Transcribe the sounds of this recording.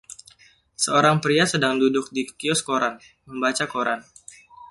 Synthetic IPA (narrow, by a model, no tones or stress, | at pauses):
səoɾaŋpɾiasədaŋdudʊk̚dikiɔskoɾan | məmbat͡ʃakoɾan